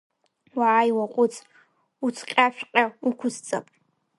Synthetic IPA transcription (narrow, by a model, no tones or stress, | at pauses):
waʕːjwaqʷʼʊt͡sʼ | ut͡sʰqʲʼaʃᶣqʲʼaukʷʰʊzt͡sʼa̰pʼ